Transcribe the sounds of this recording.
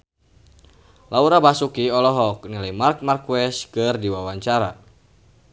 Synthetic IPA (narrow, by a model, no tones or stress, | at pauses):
lauɾabasukiɔlɔɦɔk̚nilimark̚markwɛskɨrdiwawaɲt͡ʃaɾa̰